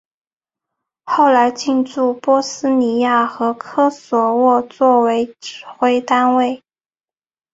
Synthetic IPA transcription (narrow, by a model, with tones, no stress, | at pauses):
xo˥˩ʊla˧˥ɪt͡ɕi˥˧nʈ͡ʂu˥˩pwɔ˥sɹ̩˥ni˧˥ja˥˩xɤ˧˥kʰɤ˥swɔ˧˥wɔ˥˧t͡swɔ˥˩we˧˥ɪʈ͡ʂɻ̩˨˩xwe˥ɪt̪a˥nwe˥˩ɪ